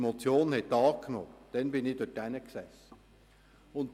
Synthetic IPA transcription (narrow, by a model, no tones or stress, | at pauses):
mot͡sjoːnhɛt̪ːɑːknɔ̰ːd̥ɛnbɪnɪd̥ʊd̥ænəksɛsə | ʊn